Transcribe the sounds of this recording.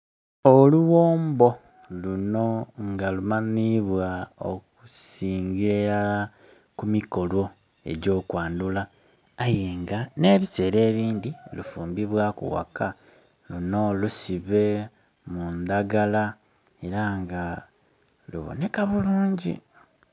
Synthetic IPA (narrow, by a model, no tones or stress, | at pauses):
oluwo̞ːmbo̞ | luno̞ŋɡalumaniβwao̰kusiːŋɡiɾa | kumiko̞lo̞ | e̞̰ɟo̞ːkwaːndulaː | jeːŋɡane̞ːβise̞ɾe̞ːβiːnd̪ilufuːmbiβwaːkṵwa̰ka | luno̞lusiβe̞ | mund̪aɡala | e̞ɾaŋɡa | lṵβo̰ne̞kaβuluːɲɟḭ